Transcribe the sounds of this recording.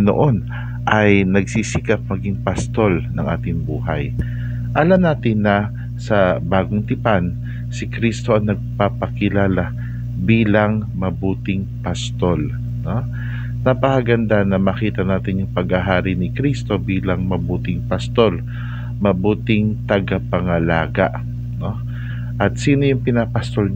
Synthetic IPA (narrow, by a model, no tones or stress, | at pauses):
no̰ʔo̞n | ʔɐjnɐɡsisɪkap̚mɐɡɪŋpɐst̪o̞lnɐŋʔa̰ːt̪ɪŋbuːhɐ̰j | ʔɐlɐmnaːt̪ɪnːɐ | sɐbaːɡoŋt̪ɪpan | sɪkɾist̪o̞ʔɐŋnɐɡ̚papɐkɪlaːla | biːlɐŋ | mɐbuːt̪ɪŋ | pɐst̪o̞l | no̞ | nɐpɐkɐɡɐnd̪anɐmɐkiːt̪ɐnaːt̪ɪnjʊŋpɐɡaɦaːɾɪnɪkɾist̪o̞biːlɐŋmɐbuːt̪ɪŋpɐst̪o̞l | mɐbuːt̪ɪŋt̪ɐɡapɐŋɐla̰ːɡɐ̰ʔ | no̞ | ʔɐt̪̚siːnojʊŋpɪnapɐst̪ol